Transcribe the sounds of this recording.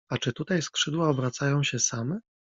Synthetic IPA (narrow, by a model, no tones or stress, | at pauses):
at͡ʂɘt̪ut̪ajskʂɘd̪waɔbɾat̪sajɔ̃w̃ɕɛsamɛ